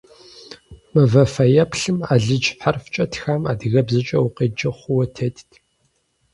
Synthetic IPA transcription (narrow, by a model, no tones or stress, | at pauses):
mɨvɐfɐjɐpʰɬɨmaːɮɨd͡ʒħarft͡ʃʼɐtʰxaːma̰ːdɣɐbzɨt͡ʃʼɐwʊqeːd͡ʒɐχʷʊwɐtʰeːtʰtʰ